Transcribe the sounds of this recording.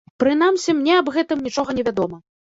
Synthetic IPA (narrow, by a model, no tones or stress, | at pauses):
pɾɨn̪amsʲimnʲɛɐbɣɛt̪ɨmnʲit͡ʂɔɣɐnʲɛvʲad̪ɔmɐ